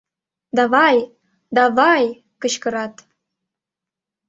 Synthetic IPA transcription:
d̪ɑβɑj | d̪ɑβɑj | kə̆t͡ɕkə̆ɾɑt̪

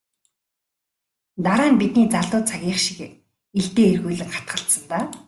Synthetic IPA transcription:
t̪aɾaːmpit̪niːt͡saɮt̪ʊːt͡sʰaɣʲiːχʃi̥k | eɮt̪eːerɣuːɮɘ̆ŋχḁt̪̚ɢə̆ɬt̪sə̆nt̪aː

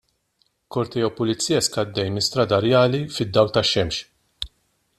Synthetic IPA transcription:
kɔɾt̪ɛjɛwpʊlɪt͡sːiːjɐskɐd̪ːɛjmɪst̪ɾɐd̪ɐɾjɐːlifɪd̪ːɐwlt̪ɐʃɛmʃ

